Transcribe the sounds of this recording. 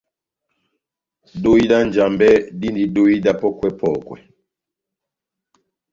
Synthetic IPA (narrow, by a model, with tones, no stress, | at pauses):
do˦i˦da˦nd͡ʒa˨mbɛ˦di˦ndi˨do˦i˦da˦pɔ˦kwɛ˦pʰɔ˨kwɛ̰˨